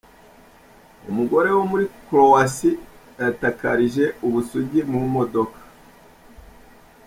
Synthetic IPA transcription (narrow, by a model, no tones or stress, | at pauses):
ṵmuɡo̞ɾe̞womuɾikɾo̞wasi | jatakaɾiʒe̞uβusuɟimuumo̞do̞kḁ